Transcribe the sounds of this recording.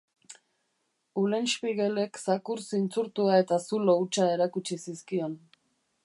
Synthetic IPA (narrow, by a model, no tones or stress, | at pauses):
ule̞nspiɣele̞ksakuɾsint͡suɾt̪uae̞t̪asulo̞ut͡ʃae̞ɾakut͡ʃisiskio̞n